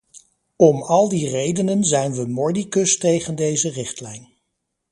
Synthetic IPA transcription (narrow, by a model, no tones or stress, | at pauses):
ɔmɑlˠdirejdənənzɛjnʋəmɔɹdikɵstejχəndejzərɪχtlɛjn